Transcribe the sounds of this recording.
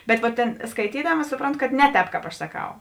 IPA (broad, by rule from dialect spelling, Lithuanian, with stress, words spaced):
bʲɛt ʋoːt ˈtʲeːn skɐɪˈtʲiːdɐmɐ ˈsʊproːnˌtʊ kɐt ˈnʲɛ ˌtʲɛːp ˈkɑːp ˈɐʃ sɐˈkɐʊ